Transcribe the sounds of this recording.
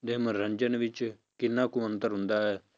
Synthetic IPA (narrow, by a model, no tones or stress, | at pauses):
d̪eːməɾəɲd͡ʒənʋɪt͡ʃ | kɪnːãːkʊmə̃nt̪əɾɦʊ̃nd̪aːɛː